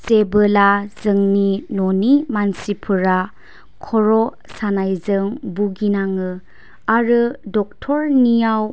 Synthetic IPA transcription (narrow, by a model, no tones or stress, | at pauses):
sebɯlazɯŋninonimansipʰɯɾa | kʰɔɾɔ | sanajzɯŋbuɡinaŋɯ | aɾɯdɔk̚tʰɔɾnijaw